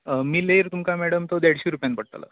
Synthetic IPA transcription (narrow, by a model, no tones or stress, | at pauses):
əmiːlejɾt̪umkamɛɽəmt̪od̪eɽɕiɾupjanpəɽt̪ə̰lə̰